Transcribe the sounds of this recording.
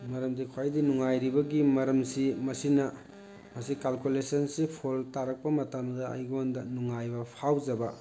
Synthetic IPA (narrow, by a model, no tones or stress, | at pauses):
mɐɾɐmdikʰwajdinuŋajɾibɐɡimɐɾɐmsimɐsinɐ | mɐsikalkulesɐnsipʰoltaɾɐk̚pɐmɐtamdɐɐ̰jɡɐondɐnuŋajbɐpʰawzɐbɐ